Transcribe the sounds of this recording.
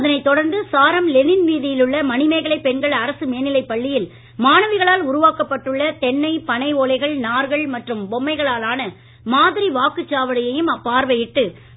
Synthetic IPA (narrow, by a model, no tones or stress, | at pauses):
ɐðɐnɐɪt̪ːɔɽɐɾnd̪ɯsaːɾɐmlɛnɪnʋiːðɪjɪlɯɭːɐmɐnɪmɐɪɣɐɭɐɪpːɛɳɡɐɭɐɾɐsɯmeːnɪlɐɪpːɐɭːɪjɪl | maːnɐʋɪɣɐɭaːlʊɾʊʋaːkɐpːɐʈːɯɭːɐt̪ɛɳːɐɪpɐnɐɪoːlɐɪɣɐɭnaːɾɣɐɭmɐʈrɯmbɔmːɐɪɣɐɭaːlaːnɐ | maːðɪɾiʋaːkɯt͡ʃːaːʋɐɽɐjɐjɯmɐpːaːɾʋɐjɪʈːɯ